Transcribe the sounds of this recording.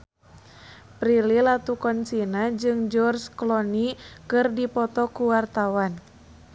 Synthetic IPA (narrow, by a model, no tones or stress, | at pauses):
pɾililat̪ukɔnt͡ʃinad͡ʒɨŋd͡ʒɔrsklɔnikɨrdipɔt̪ɔkuwart̪awan